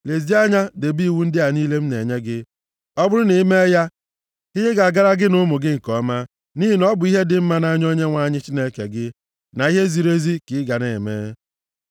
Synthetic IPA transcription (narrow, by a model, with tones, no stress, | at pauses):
le˨zi˦a˦ɲa˦de˨bi˦˨wu˦n̩˦dɪ˦a˨ni˦le˦m̩˦ne˨ɲe˦ɡɪ˦ | ɔ˦bʊ˦ɾʊ˦ne˨˦me˦ja˦ | ɦɪ˦ɲe˦ɡa˨ɡa˦ɾa˦ɡɪ˦nʊ˦mʊ˨ɡɪ˦ŋ̩˨kɔ˦ma˦ | ni˦i˨nɔ˦bʊ˨˦i˦ɦe˦dɪ˨m̩˦ma˦na˦ɲ˦o˦ɲe˦ŋʷa˨ɲɪ˦t͡ʃi˦ne˦kḛ˨ɡɪ˦ | na˨i˦ɦe˦zi˨ɾe˦zi˦kɪ˨˦ɡa˨ne˨mḛː˦